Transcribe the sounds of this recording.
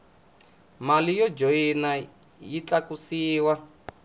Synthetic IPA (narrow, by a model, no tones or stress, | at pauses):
malijɔd͡ʒoina | jit͡ɬakusiːwa